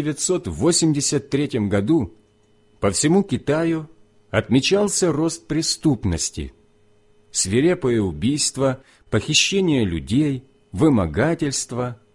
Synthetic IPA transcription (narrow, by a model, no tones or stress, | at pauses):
ɪvʲɪt̪so̞t̪vo̞sʲɪmdʲɪsʲət̪ːɾʲetʲɪmɡɐd̪u | pəfsʲɪmukʲɪt̪ajʊ | ɐt̪mʲɪt͡ɕalˠsʲəro̞st̪̚pɾʲɪst̪upnəsʲtʲɪ̰ | fsvʲɪɾʲepəjəʊbʲijst̪və | pəxʲɪɕːenʲɪjəlʲʊ̰dʲej | vɨmɐɡatʲɪlʲst̪və